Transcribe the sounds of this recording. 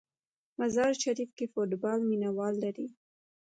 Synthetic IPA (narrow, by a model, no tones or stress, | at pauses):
mazɑɾʃaɾifkefoʈbɑlminawɑlːaɾi